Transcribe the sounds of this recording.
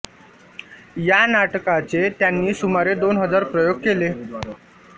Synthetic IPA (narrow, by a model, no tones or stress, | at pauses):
janaʈkat͡set̪janːiːsumaɾed̪onɦəd͡zaɾpɾəjoɡ̚kele